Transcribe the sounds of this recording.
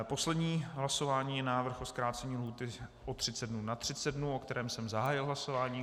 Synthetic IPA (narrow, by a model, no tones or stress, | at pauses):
po̞slɛdɲiːɦlaso̞vaːɲiːjɛnaːvr̩xʔoskɾaːt͡sɛɲiːlɦuːt̪ɪʔot̪r̥ɪt͡sɛdnunat̪r̝̥ɪt͡sɛd̪̚dnuʔo̞kt̪ɛɾɛːmsɛmzaɦaːjɪlɦlaso̞vaːɲiː